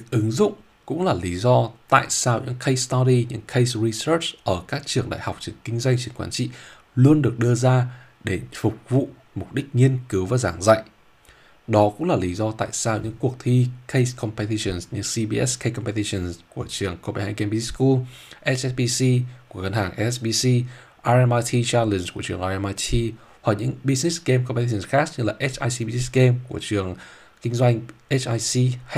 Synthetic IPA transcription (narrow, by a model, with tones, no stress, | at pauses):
ɨ˨˦k̚ʔɨ˨˦ŋzʊ̰˧˨ŋ͡m | kʊ̰˧˥ŋ͡mlaː˨˩li˨˦zɔ˧t̪a̰ː˧˨jsaː˧wɲɨ̰˧˥ŋkʰə˧st̪ɔ˧ɾi˧ɲɨ̰˧˥ŋkʰə˧jsɹi˧sə˦˥t͡ɕʔəː˧˩kaː˦˥k̚t͡ɕɨ˨˩əŋɗa̰ː˧˨jha˨˩wk͡p̚t͡ɕɨ˨˩əŋkï˧ŋ̟zwa˧jŋ̟t͡ɕɨ˨˧˩əŋkwaː˧˦nt͡ɕḭ˧˨ | lu˧ənɗɨ˨˩ək̚ɗɨ˧əzaː˧ | ɗe˧˩fʊ˨˩k͡p̚vṵ˧˨ | mʊ˨˩k͡p̚ɗï˦˥k̟̚ŋi˧ənkɨ˨˦wvaː˨˩zaː˧˩ŋza̰˧˨jʔ | ɗɔ˨˦kʊ̰˧˥ŋ͡mlaː˨˩li˨˦zɔ˧t̪a̰ː˧˨jsaː˧wɲɨ̰˧˥ŋku˨˩ək̚t̪ʰi˧kʰe˧jskʰɔ˧mpɛ˧t̪i˧sə˨˩nsɲɨ̰˧˥ŋsi˧ɓi˧ʔɛ˦˥ske˧kɔ˧mpɛ˧t̪i˧sə˨˩nku˧˩ət͡ɕɨ˨˩əŋko˧ɓa˧˩ha̰ː˧˨jkɛ˧mpi˧ti˦˥sku˧ʔɛ˦˥ʔɛ˦˥ɓi˧si˧kəŋə˧nhaː˨˩ŋʔɛ˧ɛ˦˥sɓi˧si˧ | ʔaː˧ʔa˧ma˧t̪ʰi˧t͡ɕa˧lə˨˩nku˧˩ət͡ɕɨ˨˩əʔaː˧ɛ˧ma˧t̪ʰi˧ | hwa˨˩k̚ɲɨ̰˧˥ŋɓi˧zni˦˥ske˧mkɔ˧pe˧t̪i˧˩ə˧˩nxaː˦˥k̚ɲɨ˧laː˨˩ʔɛ˦˥ʔaː˧jsi˧ɓi˧zi˦˥ke˧mku˧˩ət͡ɕɨ˨˩əŋ | kï˧ŋ̟zwa˧jŋ̟ʔe˦˥t͡ɕaː˧jsi˧